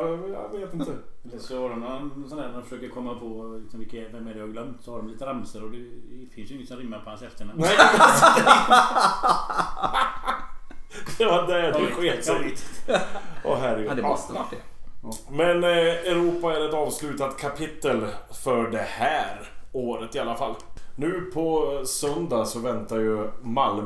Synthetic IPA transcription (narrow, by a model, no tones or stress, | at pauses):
ɛmjɑ̰veːt̪ɪnt̪əsɔhaɖɔmnɔnsɔnæːɾɔnfəʂøːkəɾkʰɔmːapʰɔlɪksɔmvɪkavɛmæɖɛhaɾɡlœmt̪sɔhaɖɔmliːt̪əɾamsəɾɔd̪ɛfɪnsjʏɪŋːəsɔnɾɪmːaɾpʰɔhansɛft̪əɾɳamnɛ | ɑːd̪ɛædɛɧeːt̪sɔ | ʔɔɦæɾɪɡd̪ɔt̪əʋaʈːɖɛ | mɛnɛɾuːpaæɾɛt̪ɑːvslʉ̟ːt̪at̪kʰapʰɪt̪ːəlfœɖɛhæːɾ | oːɾət̪ɪalːafa̰lːnʉ̟ːpʰɔsœnd̪asɔvɛnt̪ajɵmal